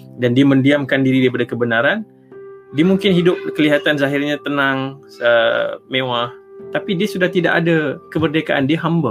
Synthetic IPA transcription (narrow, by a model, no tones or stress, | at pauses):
dandiamə̃ndiamkandiɾidaipadakəbənaɾan | diamuŋkɪnɦidʊp̚kəliɦat̪anzaɦɪrɲat̪ənaŋ | əmẽwaht̪apidiəsudaht̪idaʔadakəbərdekaʔandiəɦamba